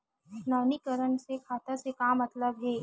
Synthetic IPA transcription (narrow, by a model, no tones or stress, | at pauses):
t͡ʃʊnaːnikəɾəɳsekʰaːt̪əɾsekaːmɐt̪ləbɦɛː